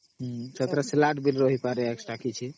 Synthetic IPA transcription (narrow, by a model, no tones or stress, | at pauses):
ɦt͡ʃət̪ɾaselaʈbilɾoɦipaɾeeksʈakit͡ʃʰi